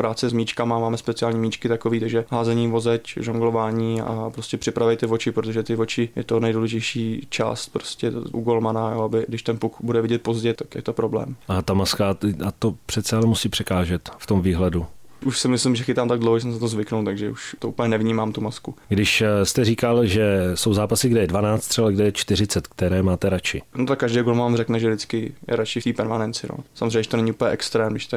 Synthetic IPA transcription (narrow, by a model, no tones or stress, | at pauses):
pɾaːt͡sɛzmiːt͡ʃkamamaːmɛspɛt͡sɪaːlɲiːmiːt͡ʃkɪt̪akoviːt̪aɡʒɛɦaːzɛɲiːvo̞zɛcʒoŋɡlo̞vaːɲiːa̰a̰pɾo̞scɛpr̥ɪpɾavɛjt̪ɪvo̞t͡ʃɪpɾot̪o̞ʒɛt̪ɪvo̞t͡ʃɪjɛt̪onɛjduːlɛʒɛjʃiːt͡ʃa̰ːst̪pɾoscɛʔuɡolmanajoːabɪɡdɪʃt̪ɛnpukbudɛvɪɟɛt̪̚po̞zɟɛt̪akjɛ̰t̪opɾoblɛ̰ːmʔat̪amaskaat̪opr̝̥ɛt̪t͡sɛalɛmusiːpr̝̥ɛkaːʒɛt̪ft̪omviːɦlɛduʔuʃsɪmɪslɪmʒɛxɪt̪aːmt̪aɡ̚dlowhoʒɛs̬ɛmsɛt̪ozvɪknuwt̪aɡʒɛʔuʃt̪oupəɲɛnɛvɲiːmaːmt̪umaskuɡdɪʃst̪ɛriːkalʒɛso̞wzaːpasɪɡdɛjɛdvanaːt͡st̪rɛbalaɡdɛjɛt͡ʃt̪ɪrɪt͡sɛt̪k̚t̪ɛɾɛːmaːt̪ɛɾat͡ʃɪ̰not̪akːaʒdɛjɡolmanrɛknɛʒɛvdɪt͡skɪjɛ̰ɾat͡ʃɪft̪iːpɛɾmanɛnt͡sɪno̰samozreɛɲːɛʒɛt̪onɛɲɪupəlɲɛʔɛkst̪ɾɛːmdɪʃt̪ɛ